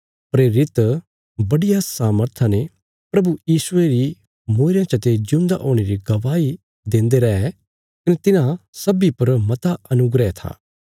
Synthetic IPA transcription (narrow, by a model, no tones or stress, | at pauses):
pɾeːɾɪt̪ | bɐɽijasaːməɾt̪ʰãne | pɾɐbujiːsʊeɾi | moːɾjãt͡ʃɐt̪ed͡ʒũːnd̪a̰ʔoːɽ̃eɾiɡɐʋaːi | d̪ẽːnd̪eɾɐɦɛ | kɐnet̪ɪnãsɐbipɐɾmɐt̪aɐnʊɡɾɛt̪ʰa̰ː